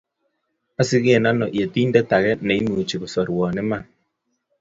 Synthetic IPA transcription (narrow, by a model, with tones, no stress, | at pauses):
a˦si˦ɣe˦˨na˦nɔ˨ʔje˨tiː˦ndɛ˦ta˨ɣɛ˦nɛ˨i˦nuː˨t͡ʃi˨ɣo˨sɔ˨ɾwɔ˨ne˦ma˦˨n